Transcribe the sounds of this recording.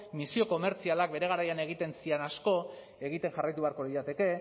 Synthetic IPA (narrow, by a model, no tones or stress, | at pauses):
misio̞ko̞me̞ɾt͡sialak̚be̞ɾe̞ɣ̞aɾajane̞ɣ̞it̪e̞nsienasko̞ | eɣ̞it̪e̞ŋʝarajt̪uβe̞aɾko̞ɾiat̪e̞ke̞